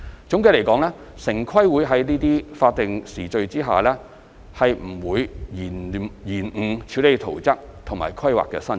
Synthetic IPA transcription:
t͡sʊ˨˥ŋke˧le˨˩kɔː˨˥ŋlɛː˥ | sɪ˨˩ŋkʰwɐ˥jwuː˨˧jɦɐ˨˥jniː˥t̪iː˥faː˧t̚t̪ɪ˨ŋsiː˨˩t͡ʃɵ˧ɥt͡siː˥ɦa̰ː˨lɛː˥ | hɐ˨jm̩˨˩wuː˨˧jiː˨˩n˨jiː˨˩nŋ̩˨˩t͡sʰi˨˧˥wle˨˧jt̪ʰo˨˩wt͡sɐ˥k̚t̪ʰʊ˨˩ŋmaː˨˩jkʰɐ˥jwa̰ː˨kːɛ̰ː˧sɐ˥n

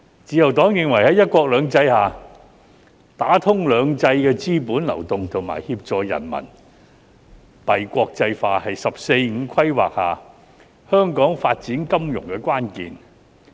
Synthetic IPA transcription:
t͡siː˨˧jɐ˨˩wt̪ɔː˨˥ŋjɪ˨ŋwɐ˨˩jhɐ˨˥jɐ˥t̚kʷɔː˧k̚lœː˨˧ŋt͡sɐ˧jhaː˨ | t̪aː˨˥t̪ʰʊ˥ŋlœː˨˧ŋt͡sɐ˧jkɛː˧t͡siː˥puː˨˥nlɐ̰˨˩wt̪ʊ˨ŋt̪ʰʊ˨˩ŋma̰ː˨˩jhiː˧p̚t͡ʃɔː˨˧jɐ̰˨˩nmɐ̰˨˩n | pɐ˨jkʷɔː˧k̚t͡sɐ˧jfaː˧hɐ˨jsɐ˨p̚se˧jŋ̩˨˧kʷʰɐ˥jwa̰ː˨k̚ha̰ː˨ | hœː˥ŋkɔː˨˥ŋfaː˧t̚t͡siː˨˥nkɐ˥mjʊ̰˨˩ŋkɛ˧kwaː˥nkiː˨n

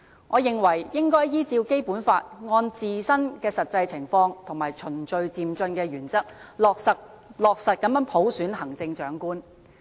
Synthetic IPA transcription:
ŋʔɔː˨˧jɪ˨ŋwɐ˨˩jjɪ˥ŋkɔː˥jjiː˥t͡siː˧wke˥jpuː˨˥nfaː˧t̚ŋɔː˧nt͡siː˨sɐ˥nkɛː˧sɐ˨t̚t͡sɐ˧jt͡sʰɪ˨˩ŋfɔː˧ŋt̪ʰʊ˨˩ŋmaː˨˩jt͡ʃʰɵ˨˩nt͡ʃɵ˧ɥt͡siː˨mt͡ʃɵ˧nkɛː˧jyː˨˩nt͡sɐ˥k̚lɔː˨˧k̚sɐ˨t̚ | lɔː˨k̚sɐ˨t̚kɐ˨˥mjɐ˨˥npʰo˨˥wsyː˨˥nɦɐ˨˩ŋt͡sɪ˧ŋt͡ʃœː˨˥ŋkuː˥n

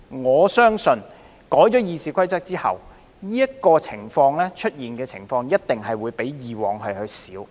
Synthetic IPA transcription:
ŋɔː˨˧sœː˥ŋsɵ˧n | kɔː˨˥jt͡ʃɔː˨˥jiː˧siː˨˧kʰʷɐ˥jt͡sɐ˥k̚t͡siː˥hɐ̰˨w | niː˥jɐ˥t̚kɔː˧t͡sʰɪ˨˩ŋfɔː˧ŋlɛː˥t͡ʃʰɵ˥t̚jiː˨nkɛː˧t͡sʰɪ˨˩ŋfɔː˧ŋjɐ˥t̚t̪ɪ˨ŋɦɐ˨jwuː˨˧jpe˨˥jjiː˨wɔː˨ŋhɐ˨jhɵ˧ɥsiː˨˥w

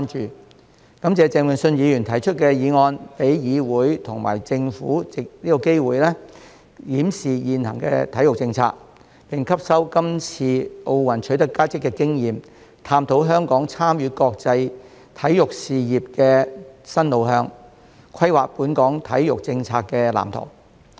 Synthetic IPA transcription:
nt͡ʃyː˨ | kɐ˨˥mt͡sɛː˨˧t͡sɛː˧ŋwə˨nsɵ˧njiː˨˧jyː˨˩nt̪ʰɐ˨˩jt͡ʃʰɵ˥t̚kɛ˧jiː˨˧ŋɔː˧npe˨˥jjiː˨˧wuː˨˥jt̪ʰʊ˨˩ŋma̰ː˨˩jt͡sɪ˧ŋfuː˨˥t͡sɪ˨k̚niː˥kɔ˧ke˥jwuː˨˩jlɛː˥ | jiː˨˥msiː˨˩jiː˨˧nhɐ̰˨˩ŋkɛ̰ː˧t̪ʰɐ˨˥jʊ˨k̚t͡sɪ˧ŋt͡sʰa̰ː˧k̚ | pɪ˨ŋkʰɐ˥p̚sɐ˥wkɐ˥mt͡sʰiː˧ʔo˧wwɐ˨˩nt͡ʃʰɵ˨˥t̪ɐ˥kːaː˥t͡sɪ˥kːɛː˧kɪ˥ŋjiː˨m | t̪ʰaː˧mt̪ʰo˨˥wɦœː˥ŋkɔː˨˥ŋt͡sʰaː˥mjyː˨˧kɔː˧k̚t͡sɐ˧j | t̪ʰɐ˨˥jjʊ˨k̚siː˨jiː˨˩p̚kɛː˧sɐ˥nlo˨˧wɦœː˧ŋ | kʷʰɐ˥jwaː˨k̚puː˨˥nkɔː˨˥ŋt̪ʰɐ˨˥jjʊ˨k̚t͡sɪ˧ŋt͡sʰaː˧kːɛː˧la̰ː˨˩mt̪ʰʊ̰˨˩ŋ

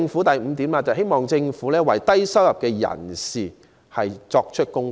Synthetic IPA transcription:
ŋfuː˨˥t̪ɐ˨jm̩ː˨˧˦t̪iː˨˥mlaː˨˧t͡sɐ˨whɦe˥jmɔː˨˩ŋt͡sɪ˧ŋfuː˨˥lɛː˥wɐ˨jt̪ɐ˥jsɐ˥wjɐ˨p̚kɛː˧jɐ̰˨˩nsiː˨˩ | hɐ˨jt͡sɔː˧k̚t͡ʃʰɵ˥t̚kʊ˥ŋ

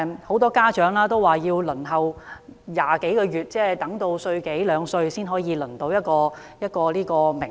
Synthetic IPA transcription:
ho˨˧˥wt̪ɔː˥kaː˥t͡ʃœː˨˥ŋlaː˥t̪o˥waː˨˩jiː˧wlɵ˨˩nɦɐ˨wjaː˨ke˨˥jkɔː˧jyː˨˩t̚t͡sɛː˥˩t̪ɐ˨˥ŋt̪o˧wsɵ˧ɥke˨˥jlœː˨˧ŋsɵ˧ɥsiː˥nɦɔː˨˥jiː˨˧lɵ˨˩nt̪o˧wjɐ˥t̚kɔː˧ | jɐ˥t̚kɔː˧liː˥kɔː˧mɪ˨˩

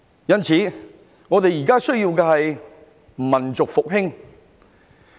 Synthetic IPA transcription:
jɐ˥nt͡sʰiː˨˥ | ŋɔː˨˧t̪e˨jiː˨˩kaː˥sɵ˥ɥjiː˧wkɛː˧hɐ˨j | mɐ˨˩nt͡sʊ˨k̚fʊ˨k̚hɪ˥ŋ

